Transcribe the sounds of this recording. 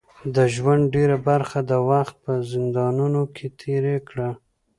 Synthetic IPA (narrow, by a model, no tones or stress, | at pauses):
d̪əʒwand̪ɖeɾabaɾxad̪əwaxt̪̚pəzɪnd̪ɑnunokʰet̪ʰeɾekɽa